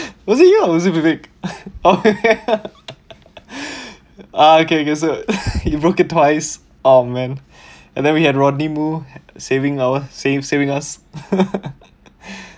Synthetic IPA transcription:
wɔsijawɔzibibekokke | aokeokesohibɹokɪt̚tːwaɪs | omɛ̃n | ɛ̰̃ndɛ̃nwihɛdɹɔdnimusevɪ̃ŋaəsesevɪ̃ŋas

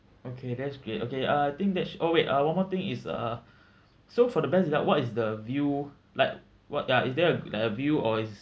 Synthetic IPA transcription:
okʰedɛtsɡɹeto̰keaaɪt̪ɪ̃ŋk̚dɛtsɔweʔʔʌwãnmɔt̪ĩŋisʌ̰ | sofɔdəbɛsilawɔtisdəvju | laɪk | wɔt̚jaisdɛəla̰ɪkəvjuɔis

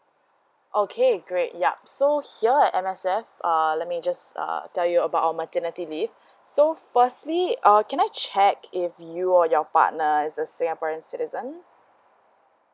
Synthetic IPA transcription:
ʔokʰeɡɹet̚jap̚sohiəɛtɛ̃mɛsɛfʔʌlɛt̚mid͡ʒasʌ̰tɛljuəbaʊtaəmətənitilif | sofəstliakɛ̃ñajt͡ʃɛkʰɪfjuɔjɔpa̰t̚nəɪsəsɪ̃ŋɡapɔɹə̃nsɪtizə̃n

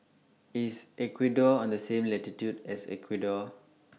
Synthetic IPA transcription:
isɛkʰwidɔɔ̃ndəsẽmlɛtitjudɛsɛ̰kʰwidɔ

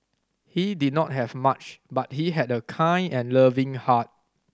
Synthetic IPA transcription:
hidid̚ⁿnɔt̚ɦɛvmat͡ʃbat̚hiɦɛdəkʰãɪ̃nɛ̃nləvɪ̃ŋhat̚

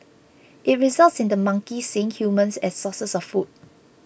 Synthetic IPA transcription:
ʔit̚ɹizaltsĩndəmãŋkisẽŋhjumə̃nsɛssɔsəsɔffut̚

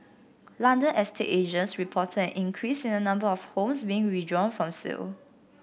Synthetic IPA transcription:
lãndə̃nɛstʰeʔeʒə̃nsɹipʰɔtʰədɛ̃nʔĩŋkʰɹisĩnənãmbəɔfhõmsbiɪ̃ŋɹidɹɔ̃nfɹɔ̃msḭl

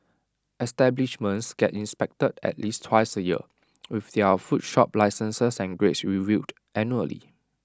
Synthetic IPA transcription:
ɛstɛbliʃmə̃nsɡ̥ɛtĩnspɛk̚tədɛ̰t̚listʰːwaɪsəjiə | wifdɛfutʃɔp̚laɪsə̃nsəsɛ̃nɡɹetsɹivid | ʔɛ̃njuəlḭ

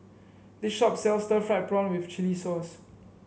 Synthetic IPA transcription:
dɪʃɔpsɛlstəfɹaɪt̚bɹɔ̃nwift͡ʃilisɔs

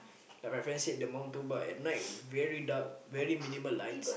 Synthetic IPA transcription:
lafafɛ̃nsidəmãw̃ntubaɛ̰t̚naj̚vɛɹidak̚vɛɹimĩniməlːãjns

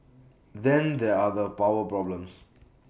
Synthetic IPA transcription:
d̪ɛ̃nd̪ɛadəpaʊwəpɹɔblə̃ms

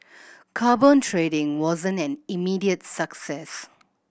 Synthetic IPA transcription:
kʰaːbɔ̃ntʰɹedɪ̃ŋwɔzə̃ntɛ̃nimidiətsəksɛs

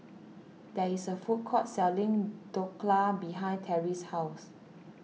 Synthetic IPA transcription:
dɛisəfut̚kʰɔt̚sɛlĩŋd̥okʰlabiɦãɪ̃ntʰɛɹishaws

